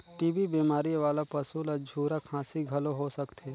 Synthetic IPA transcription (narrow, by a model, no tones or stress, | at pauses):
ʈiːbibiːmaːɾiʋaːlapəsuləd͡ʒʱuːɾakʰãːsiɡʱɐloɦosəkt̪ʰeː